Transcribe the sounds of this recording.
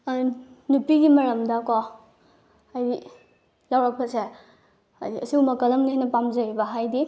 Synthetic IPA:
nupiɡimɐɾɐmdɐko | ajdi | lawɾak̚bɐsḛ | jɐsiwmɐkɐlɐmniajnɐpamzɐjibɐɦajdi

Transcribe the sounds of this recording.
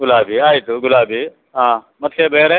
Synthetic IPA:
ɡʊlaːbʱiaːit̪uɡʊlaːbʱiː | ɦãː | mɐt̪ʰkʰeːbeːɾe

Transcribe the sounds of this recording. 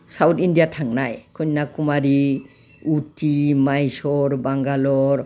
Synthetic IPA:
sawtʰindijatʰaŋnajkʰɯɲnakumaɾi | utimajsɔɾbaŋɡalɔɾ

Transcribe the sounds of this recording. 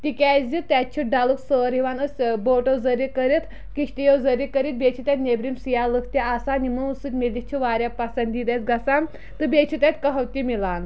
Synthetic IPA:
t̪ikʲɛzit̪ʲːɛt͡ʃʰiɖaluksəːɾɦiʋanəsʲboːʈozɐɾikəɾit̪ | kiʃʰt̪ijozəɾikəɾit̪̚bʲeːt͡ʃʰit̪at̪nebɾimsijalɨkʰt̪ʲiasanimɨusɨt̪ʲmild̪ʲit͡ʃʰiʋaːɾjapɐsɐnd̪iːd̪esɡɐsan | t̪ɨbʲeːt͡ʃʰit̪ʲat̪ʲkɐɦɐwt̪ʲimilaːn

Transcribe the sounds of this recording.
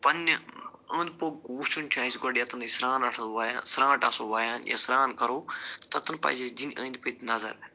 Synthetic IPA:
pɐn | ə̃ːnd̪̚poːɡ̚kuːt͡ʃʰunʲt͡ʃʲʰãːisʲɡoɖijɐt̪ɐnisɾaːnɐʈʰɐʋaːjasɾãːʈaːsoːʋaːjaːnja̰ːsɾaːnkɐɾoːt̪ɐt̪ɐnpɐ̰ːzisd̪inʲə̰̃ːnd̪pət̪nɐzɐ̰ɾ

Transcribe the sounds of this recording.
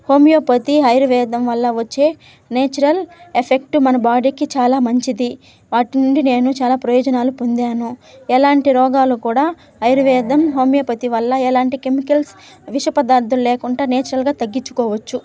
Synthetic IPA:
ho̞ːmijoːpɐt̪iɦɐjɾuʋɛːd̪ɐmʋɐlːɐʋɐt͡ʃːe̞ː | neːt͡ʃuɾɐlepʰek̚ʈumɐnɐbaːɖiːkit͡ʃaːlaːmɐɲt͡ʃid̪i | ʋaːʈinuɳɖine̞ːnut͡ʃaːlaːpɾɐjɔːd͡ʒɐnaːlupond̪aːnuɛlaːɳʈiɾɔːɡaːlukuːɽaː | ɦɐjɾuʋɛːd̪ɐmɦo̞ːmijoːpɐt̪iʋɐlːɐɛlaːɳʈike̞mikɐls | ʋiʃɐpɐd̪aːɾd̪ulleːkuɳʈaːneːt͡ʃuɾɐlɡaːt̪ɐɡːiɲt͡ʃːu̥kɔːʋɐt͡ʃːu

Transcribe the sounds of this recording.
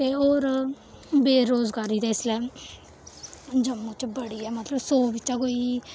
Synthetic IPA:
t̪eːoːɾ | beːɾoːzɡaːɾiːd̪eːɪslɛː | d͡ʒəmːõːt͡ʃbəɽiːɛːmət̪ləbsoːbɪt͡ʃãːkoːiː

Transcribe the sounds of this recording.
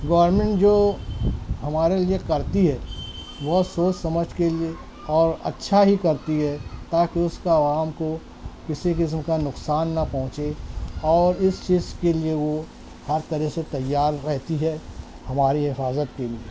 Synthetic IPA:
ɡɐːəɾmẽɳʈd͡ʒoː | ɦɐmaːɾeliekɐɾt̪iɦɛː | bɔːt̪soːt͡ʃsɐməd͡ʒʱkelie | ɔːɾɐ̰tːʃʰaɦikɐɾt̪iɦɛt̪aːkiʊskaːʋaːmko | kɪsikɪs̬mkanʊksaːnːɐpɐ̃ɦʊ̃t͡ʃeɔːɾɪst͡ʃiːzkelieʋo | hɐɾt̪ɐɾɛɦset̪ɐjːaːɾːɛɦt̪iɦɛ | hɐmaːɾiɦɪfaːzət̪kelie

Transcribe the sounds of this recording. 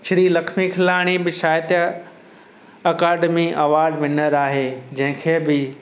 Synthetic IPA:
ʃɪɾilɐkʰmikʰɪlaːɽ̃ibɪʃaːjt̪ | ɐkaːɖmiʔɐʋaːɾɖʋɪnəɾaːɦeːd͡ʑɐ̃ɦɪ̃kʰeːbɪ

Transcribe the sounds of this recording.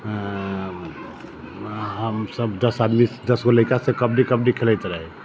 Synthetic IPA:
ɦəmsəbd̪əsad̪mid̪əsɡoləikasekəbnikəbnikʰelɛjt̪ɾəɦɛ

